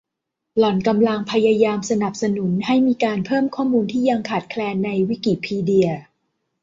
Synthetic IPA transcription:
lɔ˨˩˦nka˧mla˧ŋpʰa˧jaː˧jaː˧msa˧na˨˩p̚sa˧nu˩˦nha˥˩jmiː˧kaː˧npʰɤː˥˩mkʰɔː˥˩muː˧nt̪ʰiː˥˩ja˧ŋkʰaː˨˩t̪̚kʰlɛː˧nːa˧jwi˦˥ki˨˩pʰiː˧di˧ɐ

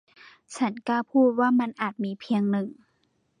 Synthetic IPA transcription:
t͡ɕʰa˦˥nkaː˧˩pʰuː˥˩t̪̚waː˥˩ma˧nʔaː˨˩t̪̚miː˧pʰi˧əŋnɯ˨˩ŋ

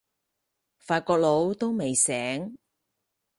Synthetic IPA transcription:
faː˧t̚kɔː˧k̚lo˨˧wt̪o˥wme˨jsɛː˨˥ŋ

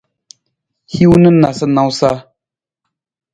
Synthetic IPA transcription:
hi˦wnɨ˦na˨sɨ˦na˨wsa˦

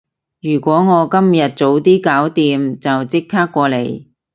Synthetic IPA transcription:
jyː˨˩kʷɔː˨˥ŋɔː˨˧kɐ˥mjɐ˨t̚t͡so˨˥wt̪iː˥kaː˨˥wt̪iː˧mt͡sɐ˨wt͡sɪ˥k̚kʰaː˥kːʷɔː˧le˨˧j

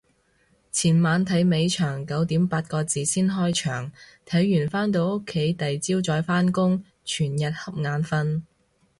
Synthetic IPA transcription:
t͡sʰiː˨˩nmaː˨˧nt̪ʰɐ˨˥jme˨˧jt͡ʃʰœː˨˩ŋkɐ˨˥wt̪iː˨˥mpaː˧t̚kɔː˧t͡siː˨siː˥nɦɔː˥jt͡ʃʰœ̰ː˨˩ŋt̪ʰɐ˨˥jːyː˨˩nfaː˥nt̪̬o˨˧wʊ˥kʰːe˨˥jt̪ɐ˨jt͡siː˥wt͡ʃɔː˨˧jfaː˥nkʊ˥ŋ | t͡ʃʰyː˨˩njɐ˨t̚hɐ˥p̚ŋaː˨˧nfɐ˧n

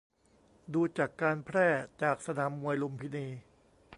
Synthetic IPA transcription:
duː˧t͡ɕa˨˩kːaː˧npʰɾɛː˥˩t͡ɕaː˨˩k̚sa˧naː˩˦mːu˧əjlo˧mpʰi˦˥neː˧

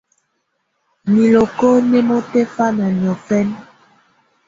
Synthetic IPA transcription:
mi˨lo˨ko˦ne˦mo˦te˦fa˦na˨ɲ˨ɔ˨fɛ˦n

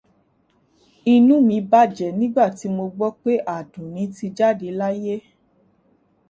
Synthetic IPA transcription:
i˧nũ˦mĩ˧ba˦˨d͡ʒɛ˨nĩ˦ɡ͡ba˦˨ti˨˦mo˧ɡ͡bɔ˦k͡pe˦ʔa˨dũ˨nĩ˨˦ti˧d͡ʒa˦˨de˧la˦je˦

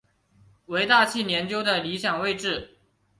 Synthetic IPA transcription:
we˧˥ɪt̪a˥˧t͡ɕʰi˥˩njɛ˧˥nt͡ɕjo˥ʊd̪ə˨li˧˥ɕjɑ˨˩ŋwe˥˧ɪʈ͡ʂɻ̩˥˩

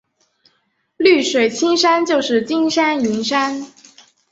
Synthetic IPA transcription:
ly˥˩ʂwe˨˩ɪt͡ɕʰi˥ŋʂa˥nt͡ɕjo˥˧ʊʂɻ̩˥˩t͡ɕi˥ŋʂa˥ni˧˥nʂa˥n

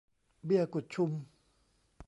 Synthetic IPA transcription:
bi˧˩ə˨ku˨˩t̪̚t͡ɕʰu˧m

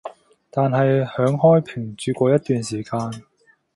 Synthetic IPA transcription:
t̪aː˨nɦɐ˨jhœː˨˥ŋhɔː˥jpʰi˨˩ŋt͡ʃyː˨˧kʷɔː˧jɐ˥t̪̚yː˨nsiː˨˩kaː˧n

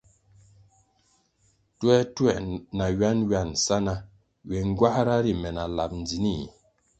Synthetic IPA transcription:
twɛ˦twɛ̰˨ʔna˨ɥa˦nɥa˦˨nsa˦na˦ | ɥɛ˨ŋ˦ɡwa˦hɾa˦ɾi˨mɛ˨na˨la̰˨p̚n̩˨d͡zi˨ni˦˨

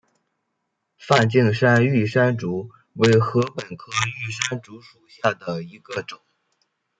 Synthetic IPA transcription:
fa˥˧nt͡ɕi˥˧ŋʂa˥ny˥˩ʂa˥nʈ͡ʂu˧˥ | we˧˥˩ɪxɤ˧˥pə˨˩nkʰɤ˥y˥˩ʂa˥nʈ͡ʂu˧˥ʂu˨˩ɕja˥˩d̪ə˩i˧˥ɡ̥ə˧ʈ͡ʂʊ˨˩˦ŋ

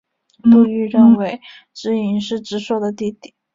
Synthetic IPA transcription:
lu˥˧y˥˧ɻə˥˩nwe˧˥ɪ | ʈ͡ʂɻ̩˧˥i˧˥nʂɻ̩˥˩ʈ͡ʂɻ̩˧˥ʂwɔ˥˩d̪ə˩t̪i˥˧t̪i˨˩˦

